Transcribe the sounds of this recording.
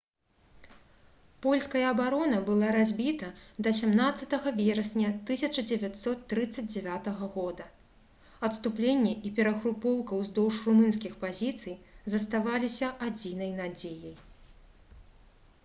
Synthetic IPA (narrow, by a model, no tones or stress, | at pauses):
pɔlʲskɐjɐːbaɾɔnɐbɨlˠaɾazʲbʲit̪ɐd̪ɐsʲamnat̪sːɐt̪ɐɣɐvʲɛɾɐsʲnʲɐt̪ɨsʲɐt͡ʂɐd͡zʲɛvʲat̪sɔt̪ːɾɨt̪sːɐd͡zʲd͡zʲɛvʲat̪ɐɣɐɣɔd̪ɐ | ɐt̪st̪uplʲenʲːɛʔipʲɛɾɐxɾupɔwkɐwzd̪ɔwʂrumɨns̬kʲixpazʲit̪sɨjzɐst̪avalʲisʲɐʔad͡zʲin̪ɐjnad͡zʲejɐj